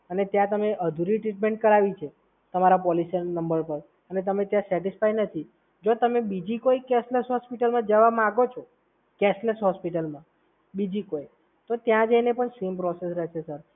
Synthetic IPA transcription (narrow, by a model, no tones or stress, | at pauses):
ənet̪jãt̪əmeʔəd̪ʱuɾiʈɾiʈ̚mẽɳʈ̚kəɾaʋit͡ʃʰe | t̪əmaɾapɔlisənəmbəɾpəɾ | ənet̪əmet̪jãsɛʈisfajnət̪ʰi | d͡ʒot̪əmebid͡ʒikoikɛsləsɦɔspiʈəlmãd͡ʒəʋamãaɡot͡ʃʰo | kɛsləsɦɔspiʈəlmã | bid͡ʒikoi | t̪ot̪jãd͡ʒəjnepəɳsempɾɔsesɾɛɦt͡ʃʰesəɾ